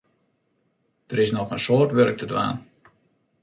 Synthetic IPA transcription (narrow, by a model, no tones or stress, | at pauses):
d̥əɾɪsnɔxənsoːrtʋørk̚tədʋa̰ːn